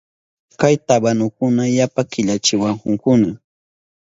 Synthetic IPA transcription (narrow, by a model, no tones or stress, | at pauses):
kajt̪abanʊk̚ʊnajapakɪʎat͡ʃɪwaŋhʊŋkʊna